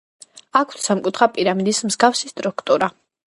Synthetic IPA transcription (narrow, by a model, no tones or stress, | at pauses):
akʰt̪samkʼut̪ʰχapʼiɾamid̪ismzɡafsist̪ʼɾukʰt̪ʼuɾa